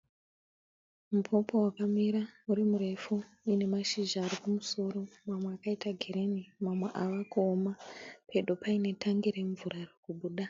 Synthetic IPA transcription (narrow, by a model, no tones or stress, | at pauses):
mupʰo̞po̞wakamiɾauɾimuɾe̞fu | ine̞maʃiʒaːrikumuso̞ːɾo̞mamweakaitaɡʱeɾe̞nimamwe̞ʔaʋakuomapʰe̞ɗopaine̞tʰaŋɡiɾe̞ɱvurarekuɓuːɗa